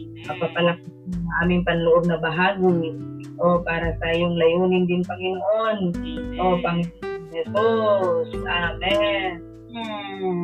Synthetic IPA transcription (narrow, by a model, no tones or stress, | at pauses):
pɐpapalak̚ | nsaʔaːmɪŋpɐnlʊʔob̚nɐbaɦaɡi | ʔopaːɾat̪aːjʊŋlɐjuːnɪnd̪ɪnpɐŋɪnoʔonʔopaŋɪnɛsosamɛʔ̩